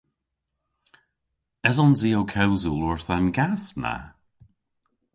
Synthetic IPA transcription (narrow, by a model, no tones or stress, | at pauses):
ɛzɔnziːowkʰɛwzulɔɹθanɡaθna̰